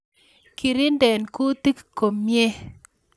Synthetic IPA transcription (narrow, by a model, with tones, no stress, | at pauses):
kʰi˨ɾɪ˦ndɛ˨nku˦t̪i˦kkːo˨mje˦